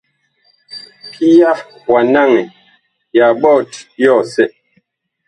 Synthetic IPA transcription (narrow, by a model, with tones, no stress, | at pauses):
pʰi˦ja˦ | wa˨na˦˨ŋɛ˨ | ja˨ɓɔ˦˨tjɔ˦˨sɛ˦˨ʔ